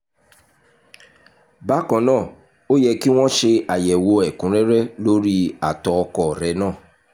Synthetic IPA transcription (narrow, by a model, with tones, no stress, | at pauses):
ba˦kɔ̃˧˦nãː˦˨ | o˦jɛ˧ki˦w̃ɔ̃˦ʃe˧a˨jɛ˨wo˧ɛ˨kũ˨˦ɾɛ˦ɾɛ˦lo˦ɾi˦a˨tɔ˨˧ɔ˧kɔ˨ɾɛ˨˦nãː˦˨